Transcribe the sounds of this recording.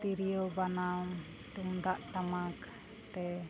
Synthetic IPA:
t̪iɾijɔbanam | t̪uŋd̪aʔʈamak | t̪ɛ

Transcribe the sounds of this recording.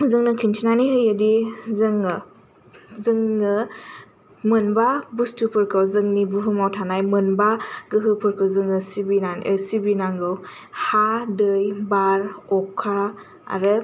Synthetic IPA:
zɯŋnɯkʰintʰinanihɯjadizɯŋɯ | zɯŋːɯ | mɯnbabustupʰɯɾkʰɯwzɯŋnibuɦɯmawtʰanajmɯnbaɡɯɦɯpʰɯɾkʰɯwzɯŋɯsibinaəsibinaŋɡɯw | hadɯjbaɾɔkʰːa | a̰ɾɯ

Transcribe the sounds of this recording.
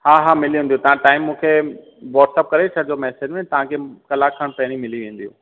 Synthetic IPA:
haːɦaːmɪliɦũːn̆d̪jũt̪ɐʋ̤ãʈaːɪmːũːkʰe | ʋɔːʈsep̚kɐɾet͡ɕʰɐd͡ʑomɛːsed͡ʑmẽt̪ɐʋ̤ãkʰekɐlakʰəɽ̃pɛɦɪɽ̃ĩmɪliʋẽːn̆d̪ijṵ̃ː

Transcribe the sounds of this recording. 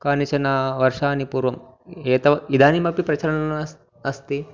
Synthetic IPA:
kaːnit͡ʃɐnaːʋɐɾʂaːnipuːɾʋɐm | eːt̪ɐid̪ʱaːnimɐpipɾɐt͡ʃɐɾɐɳɐnɐ | ɐst̪i

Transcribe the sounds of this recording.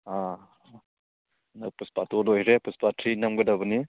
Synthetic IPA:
a | nɐpuspatolojɾepuspatʰɾinɐmɡɐdɐbɐni

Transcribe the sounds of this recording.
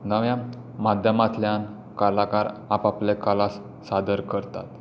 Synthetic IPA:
nəʋjã | mad̪ʱjəmat̪ljan | kalakaɾapaplekalas | sad̪əɾkəɾt̪a̰t̪

